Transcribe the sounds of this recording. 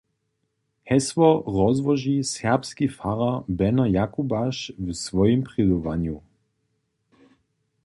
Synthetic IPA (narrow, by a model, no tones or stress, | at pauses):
hɛsʋɔʁɔzvɔʒisɛʁpskifaʁabɛnɔjakubaʃvsvɔjimpʁɪd̪uva̰nju